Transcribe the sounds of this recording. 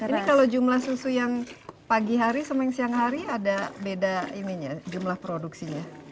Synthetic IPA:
inikalod͡ʒumlahsusujaŋpaɡiɦaɾisəmaɛŋsiaŋɦaɾiadabedainiɲad͡ʒumlahpɾoduksiɲa

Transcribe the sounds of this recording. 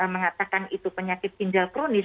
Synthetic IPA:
əməŋat̪akanit̪upəɲakɪt̪̚kiɲd͡ʒalkɾunis

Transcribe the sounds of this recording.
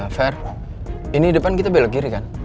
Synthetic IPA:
fɛr | inidəpankit̪abelak̚ɡiɾikan

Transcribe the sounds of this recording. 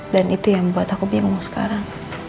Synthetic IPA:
danit̪ujaŋbuat̪akubiŋʊŋsə̥ka̰ɾaŋ

